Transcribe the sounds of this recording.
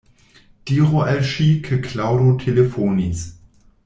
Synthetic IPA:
d̥iːʁoʔɛlʃikʰəkʰlaʊɾotʰelefoːnis

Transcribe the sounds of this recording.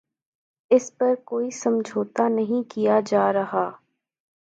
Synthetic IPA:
ɪspɐɾkoːisɐmd͡ʒʱoːt̪anɐɦĩkijad͡ʒaːɾɐɦaː

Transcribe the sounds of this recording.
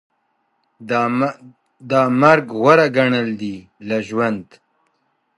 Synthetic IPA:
d̪amaɾɡɣwaɾaɡaɳəld̪i | laʒwand̪

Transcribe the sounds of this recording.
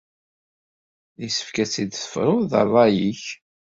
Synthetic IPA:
ðisə̥fkæt͡sːid̪θə̥fɾˤʊðə̰rˤːɑjiç

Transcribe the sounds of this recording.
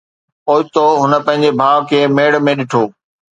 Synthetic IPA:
oːɪt̪oɦʊnə̆pɐ̃ɦɪ̃ɲd͡ʑebʱaːʋkʰeːmeːɽ̆mẽɗɪʈʰoː

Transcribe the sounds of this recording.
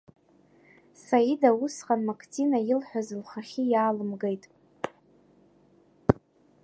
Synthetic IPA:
saidawusχanmakʰt͡sʰinajɪlħʷᶣazɨlχaχʲɪjaːlɨmɡejtʼ

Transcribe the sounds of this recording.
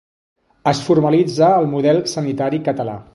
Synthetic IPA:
əsfurməlid͡zəːlˠmuðɛlˠsənit̪aɾikət̪əla̰

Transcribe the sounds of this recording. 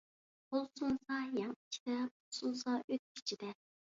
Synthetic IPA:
bolˠsunsɑjɑŋt͡ʃʰi̥d̪̥ɛpo̥susɑʔøt̪̚kʲʰi̥t͡ʃʰid̪ɛ

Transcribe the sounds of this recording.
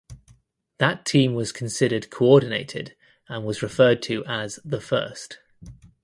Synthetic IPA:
ðətʰĩːmwɒz̥kʰə̃nsɪɾəd̚kʰəʊɔːdⁿn̩eɪtʰɪ̰d | ə̃nwɒzɹɪfɜːd̚tʰəʔəzðəfɜ̰ˑst

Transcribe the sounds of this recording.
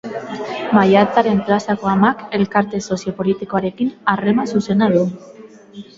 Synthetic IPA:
majat̪aɾe̞mplasako̞amake̞lkaɾt̪e̞so̞sjo̞po̞lit̪iko̞aɾe̞kinare̞masuse̞naðu

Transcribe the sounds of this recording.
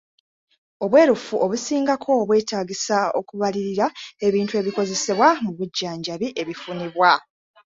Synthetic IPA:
o̞βwe̞ːɾufuʔo̞βusiːŋɡakʰo̞ːβwe̞ːtaːɡisao̞̰kuβaliɾiɾae̞βiːntue̞βiko̞ze̞seβwamuβuɟːaːɲɟaβiʔe̞βifuniβwa

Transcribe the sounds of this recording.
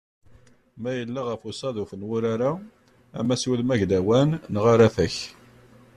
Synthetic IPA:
mæjəlːaʁəfusɑðufənwʊɾaɾa | æ̰mæswəlmæʝd̪æwænːʁaɾaθæç

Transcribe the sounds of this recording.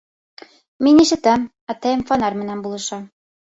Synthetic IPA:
miniʃɘ̆t̪æm | æt̪æjɘ̆mfɑnɑɾmɘ̆nænbulˠɤ̆ʃɑ

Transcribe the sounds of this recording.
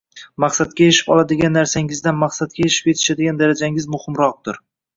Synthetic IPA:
mɑqsat̪̚kʲajeʃɪ̥pɒlˠad̪ɪɡʲanːaɾsaŋɪzd̪anmaχsat̪̚kʲajeʃɪ̥pe̞t̪ʰɪ̥ʃad̪ɪɡʲand̪aɾad͡ʒaŋɪzmʊhɪmɾɒq̚t̪ʊɾ

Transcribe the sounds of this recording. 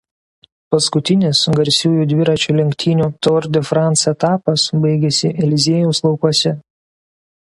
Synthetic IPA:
pɐskʊt̪ʲɪnʲɪsɡɐɾʲsʲuːjuːd̪ʲʋʲɪɾɐt͡ʃʲuːlʲɪŋʲkʲt̪ʲʰiːnʲuːt̪ɔɾʲd̪ʲɪfɾɑnt̪sɛt̪ɑːpɐsbɐɪɡʲɛsʲɪʔɛlʲɪzʲeɛjuːslˠɒʊkuɔsʲɛ

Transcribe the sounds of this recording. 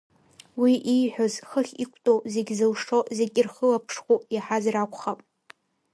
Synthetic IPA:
wiʔijħʷᶣozχəχʲikʷʰtʼozeɡʲzɨlʂozeɡʲʼɪrχəlapʰʂχʷujaħazrakʷʰʼχapʼ

